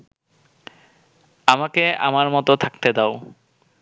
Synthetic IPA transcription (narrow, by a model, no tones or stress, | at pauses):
amakea̰maɾmɔt̪ot̪ʰak̚t̪ed̪ao